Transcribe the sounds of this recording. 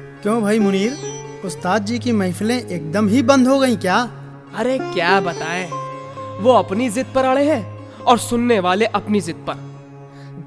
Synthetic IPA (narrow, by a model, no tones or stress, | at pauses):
kjõːbʱaːimʊniːɾ | ʊst̪aːt̪̚d͡ʒiːkimɐɪflẽʔeːk̚d̪əmɦibɐ̃nd̪ʱɦoɡɐĩkjaː | ɐɾekjaːbɐt̪aːẽː | ʋoɐpnizɪt̪̚pɐɾaːɭeɦɛ̃ː | ɔːɾsʊnːeʋaːleʔɐpnizɪd̪̚pɐɾ